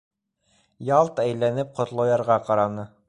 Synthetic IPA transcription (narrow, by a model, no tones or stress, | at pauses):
jɑlˠt̪æjlænɘp̚qŏt̪lˠɑ̆jɑɾʁɑqɑɾɑnɤ